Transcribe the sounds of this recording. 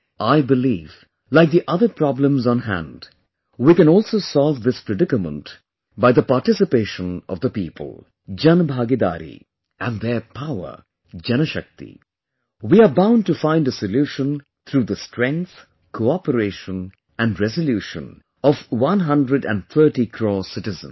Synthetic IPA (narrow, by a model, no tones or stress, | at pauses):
ʔaɪbɨliːv | laɪk̚ðiʔʌðə˞pʰɹɑblə̃mzɔ̃n̩ɦæ̰̃nd | wikɨ̃nɔlˠsoʊsɔlvðɪspɹɨdɪkəmə̃nt | baɪðəpaʈɪsɨpeɪʃə̃nʌ̰vðəpiːpʰə̰lˠ | d͡ʒʌ̃nbʱaɡid̪a̰ːɾḭ | æ̃nðəpʰaʊə̰˞ | d͡ʒɛnəʃʌk̚t̪ḭ | wiabãʊ̃nɖ̚ʈufãɪ̃ndəsəljuʃə̃n | t̪ʰɾuðəstɹɛ̃ŋk̚θ | kʰoɑpəɾeɪʃə̃n | æ̃ndɹɛzəljuːʃə̰̃n | ɔvwʌ̃nɦʌ̃ndɹədæ̰̃nθʰɜ˞ʈikʰɾɔsɪʈɨzə̰̃n